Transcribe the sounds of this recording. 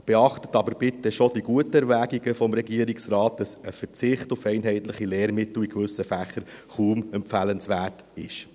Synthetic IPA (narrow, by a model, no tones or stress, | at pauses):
b̥ɛɑχtətɑbəɾbɪtːəʃodiɡuətəɛɾʋæːɡiɡəfɔmɾɛɡiːəɾiksɾɑːt̚d̥ɑsəfəɾt͡sɪχtʊfɛɪnɦɛɪtləχileːɾmɪtl̩ikʋʏsəfæχəɾχuːmɛmpfælənsʋæːt | ɪʃ